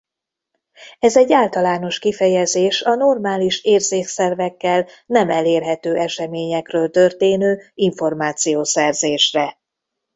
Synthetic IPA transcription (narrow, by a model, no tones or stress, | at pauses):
ɛzɛɟːaːlt̪ɒlaːn̪o̞ʃkifɛjɛzeːʃɒno̞rmaːliʃeːrzeːksɛrvɛkːɛl | nɛmɛleːrɦɛt̪øːʔɛʃɛmeːɲɛkrøːlt̪ørt̪eːnøːiɱfo̞rmaːt̪sijoːsɛrzeːʃrɛ